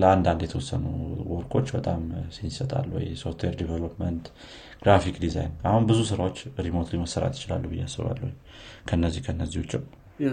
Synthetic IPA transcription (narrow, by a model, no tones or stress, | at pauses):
ləand̪and̪jɛt̪ʰəwɔsːənṵwɔɾkʰo̞t͡ʃːbət̪ʼamsisət̪ʼa̰lːwɔ̰jsoft̪ʰweɾd̪evelopmənt̪ | ɡ̥ɾafikd̪iza̰jnahunbɨzusɨɾawo̞t͡ʃːɾimont̪ujməsːəɾa̰t̪jɪt͡ʃɪla̰lːuhɨjːa̰sːɨβa̰lːuhuɲ | kʰənːəzːihkʰəɨnːəzːihut͡ʃːɪw